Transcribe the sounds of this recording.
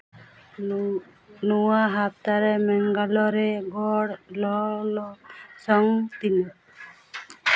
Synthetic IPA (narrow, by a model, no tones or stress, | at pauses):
nuwaɦap̚t̪aɾɛmɛŋɡalɔɾɛɡɔɽlɔlɔsɔŋt̪inɔ